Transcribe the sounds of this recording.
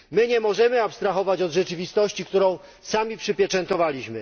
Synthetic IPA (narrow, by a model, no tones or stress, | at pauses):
mɘɲɛmɔʐɛmɘapst̪ɾaxɔvat͡ɕɔd̪ʐɛt͡ʂɘvʲist̪ɔɕt͡ɕikt̪uɾɔ̃w̃ | samʲipʂɘpʲjɛt͡ʂɛnt̪ɔvalʲiɕmɘ